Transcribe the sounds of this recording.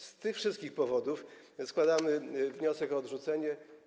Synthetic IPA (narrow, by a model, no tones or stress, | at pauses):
st̪ɘxfʂɘst̪kʲixpɔvɔd̪uf | skwad̪amɘvɲɔsɛkɔːd̪ʐut̪sɛɲɛ